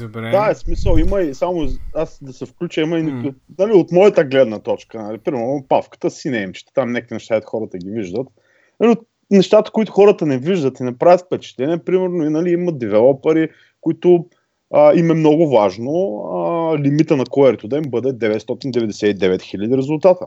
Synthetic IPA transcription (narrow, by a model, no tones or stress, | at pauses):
d̪aɛsmisəlˠiməisamʊasd̪ɐsɛfklʲut͡ʃəiməinikʊnɐliot̪mɔjət̪əɡlɛd̪nət̪ɔt͡ʃkənɐlipɾimɛɾnopafkə̥t̪əsinɛimt͡ʃɛ̥t̪ɛ̥t̪amnɛkinɛʃt̪at̪xɔɾət̪əɡ̟ʲiviʒd̪ət̪ | nɐliot̪ | nɛʃt̪at̪ə̥kʊit̪ʊxɔɾət̪ənɛviʒd̪ət̪inɐpɾavʲjət̪fpɛt͡ʃɛ̥t̪lɛniɛpɾimɛɾnʊinɐliiməd̪ivɛlˠɔpɛɾi | kʊit̪ʊ | əimɛmnɔɡʊvaʒnoəlimit̪ənɐkoɛɾit̪ʊd̪ɐimbɤd̪ɛd̪ɛvɛt̪st̪ɔt̪ind̪ɛvɛd̪ɛsɛid̪ɛvɛt̪xilʲəd̪iɾɛzʊlˠt̪at̪ə